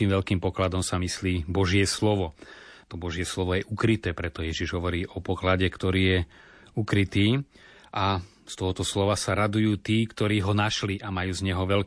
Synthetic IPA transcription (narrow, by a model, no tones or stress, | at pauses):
iːmʋɛlkiːmpɔklad̪ɔmsamisliːbɔʒɪɛslɔʋɔ | t̪ɔbɔʒɪɛslɔʋɔjɛʔukɾit̪ɛːpɾɛt̪ɔjɛʒiʒɦɔʋɔɾiːʔɔpɔklaɟɛkt̪ɔɾiːjɛ | ukɾit̪iː | ʔa | st̪ɔɦɔt̪ɔslɔʋasaɾad̪ujuːt̪iːkt̪ɔɾiːɦɔnaʃliʔamajuːzɲɛɦɔʋɛl